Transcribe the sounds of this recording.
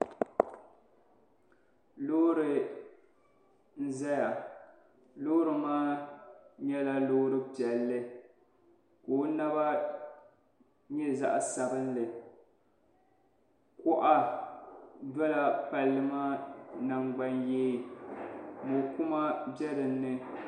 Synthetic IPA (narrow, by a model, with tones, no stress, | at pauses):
lo˦ɾɨ˨ | n̩˦zɛ˦ja˨ | loː˦ɾɨ˨maː˦ | ɲɛ˦la˦loː˦ɾɨ˦pɛ˨lːɨ˦ | koː˨˦na˦ba˦ | ɲɛ˦za˦ʔa˨sa˨bɨ˦n˦lɨ˨ | kʊ˦ʔa˦ | dɔ˦la˦pa˨lːɨ˦maː˦na˨ŋɡ͡ba˦njeː˦ | dɨ˨kʊ˦ma˦bɛ˦ɾɨ˨nːɨ˦